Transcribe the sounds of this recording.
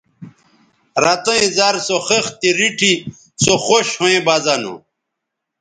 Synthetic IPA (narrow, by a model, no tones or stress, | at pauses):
ɾat̪oĩzaɾsoxext̪iɾiʈʰi | soxoɕhoẽbazano̰